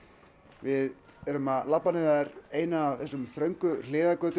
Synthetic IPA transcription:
vɪð | ɛɾʏmalapːanɪðɾeːjnaːvθɛsːʏmθɾœɥŋkʏl̥ɪːðakœːt̪

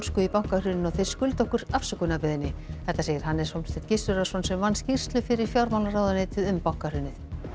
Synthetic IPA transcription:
skʏipawŋkarʏnɪnɔɣθejɾ̥skʏlt̪ɔhkʏɾafsakʏnapɪðɪnːɪθɛht̪ːaseːjɪɾ̥hanːɛɾ̥sɔmst̪ɪt̪cɪst̪ʏɾḁsɔnsɛmvanːscir̥st̪lʏfɪɾɪɾ̥fjawɾmawlnarawðʏneːjt̪ɪðʏmpawŋ̥karʏnːɪθ

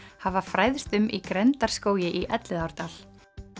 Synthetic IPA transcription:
havafɾaːjð̥st̪ʏmʔikɾɛnt̪aɾ̥skoːwjɪʔiʔɛt̪lɪðawɾ̥t̪al

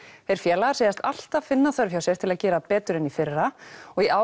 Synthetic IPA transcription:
θɛɾ̥fjɛːlaaɾseːjast̪al̥t̪avfɪnːaθœɾfjawsjɛɾt̪ʰɪlaðcɛːɾapɛːt̪ʏɾɛnifɪrːaɔɣiʔaːw

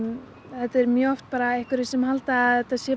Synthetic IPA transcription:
θɛt̪ɛɾmjœɔft̪̚paːɾaehkvɪɾɪ̥sɛmhalt̪aðɛt̪asjɛ

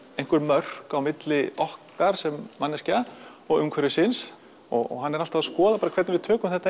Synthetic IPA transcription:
ejŋ̥kʏɾmœr̥kawmɪt̪lɪɔhkaɾ̥sɛmːanːɛsca | ɔɣʏmkʰvɛɾʏsɪns | ɔɣɔ̰ɣɦanːɛɾalt̪aðskɔːðapaːɾakʰvɛɾt̪nɪvɪðt̪ʰœːkʏmθɛht̪a

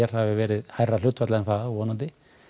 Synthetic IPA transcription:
ɛɾ̥havɪvɛːɾɪðhajrːal̥ʏt̪fat̪laɛnθaðɔːnant̪ɪ

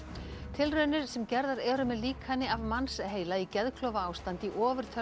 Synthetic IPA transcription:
t̪ʰɪlrœːnʏɾ̥sɛmcɛɾðaɾɛɾʏmɛðliːkʰhanːɪavmansɦeːjlaicɛðkʰlœːwvaaːwst̪ant̪iʔɔːvʏɾ̥t̪ʰœ

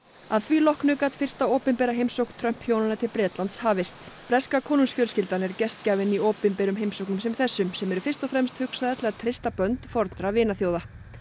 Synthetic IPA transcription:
aðθvilɔhknʏkaːt̪fɪr̥st̪aowpɪnpɛːɾaɦejmsowknt̪ʰɾœm̥phjoːwnanat̪ʰɪlpɾɛːt̪lant̪shaːvɪst̪pɾɛskakʰoːnunsfjœlscɪlt̪anɛɾcɛst̪caːvɪnioːwpɪnpɛːɾʏmɦejmsowknʏmsɛmθɛsːʏmsɛmɛɾʏfɪr̥st̪ɔfɾɛmst̪hʏksaðɛt̪lɛːɣat̪ʰɾɪst̪apœnt̪fɔɾt̪nɾavɪːnaθjoːwða

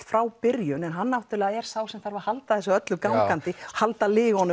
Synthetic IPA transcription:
fɾawpɪɾjʏnɛnɦanːawht̪ʏɾlɛːɣaɛɾ̥sawsɛmθaɾvahalt̪aðθɛsaœt̪lʏkawŋkant̪ɪɔhalt̪alɪːɣɔnːʏ

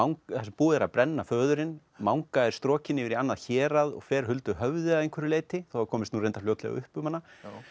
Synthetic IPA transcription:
awŋkθɛsɛmpuːðɛɾaðpɾʔɛnːafœːðʏɾɪn | mawŋkaɛɾ̥st̪ɾɔːcɪnɪvɪɾianːaðçɛːɾaðɔ̰ɣfɛːɾ̥ɦʏlt̪ʏɦœvðɪaðejŋkvɛɾɪleːjt̪ɪθaowakʰɔːmɪst̪nuɾejnafljowt̪lɛɣ̰ʏhpʏmhanːa

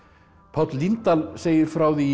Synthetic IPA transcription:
pʰɔt̪lint̪alseːjɪɾfɾaːwði

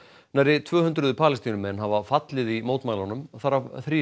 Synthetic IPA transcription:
najɾɪt̪ʰvœːhʏnt̪ɾʏðʏpʰaːlɪst̪inʏmɛnɦavafat̪lɪðimoːwt̪maːjlanʏmθaɾaθɾiː

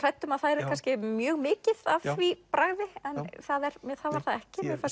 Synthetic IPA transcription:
r̥ajt̪ːʏmaðθaðɛɾɛɾ̥kʰanscɪmjœːɣmɪːcɪðavvipɾaɣvɪɛnθaðɛɾmɛθavaɾ̥θaðɛhcɪmɛɾfa

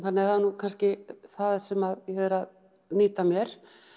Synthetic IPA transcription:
θanːɪɛɾanukʰanscɪθaðsɛmaðjɛhɛðʏɾað | niːt̪amjɛɾ̥

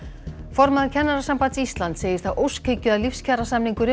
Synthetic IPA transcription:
fɔɾmaðaɾcʰɛnːaɾasampant̪sist̪lant̪seːjɪɾ̥θaðʔowskʰecːʏðalifscʰarasamniŋkʏɾʏ

